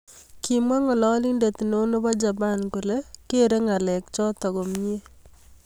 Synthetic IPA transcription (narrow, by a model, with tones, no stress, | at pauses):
kimwa˦ŋɔ˨lɔ˦li˦nde˨t̪i˨no˦no˦ba˦d͡ʒa˨pa˦nku˨le˦ke˦ɾe˦ŋa˨lɛ˨k̚t͡ʃɔ˦t̪ɔ˨kɔ˨mɲe˦